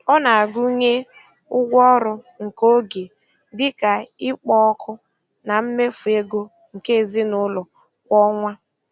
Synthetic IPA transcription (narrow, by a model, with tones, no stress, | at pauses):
ɔ˦na˨a˨ɡʊ˦ɲe˦ | ʊ˦ɡʷɔ˦ɾʊ˨ | ŋ̩˨ko˦ɡe˨ | dɪ˦ka˨ɪ˦k͡pɔ˦ɔ˦kʰʊ˦ | na˨m̩˦me˦fu˨e˦ɡo˦ | ŋ̩˨ke˦e˨zi˦nʊ˦lʊ˨ | kʷɔ˦ŋʷa˦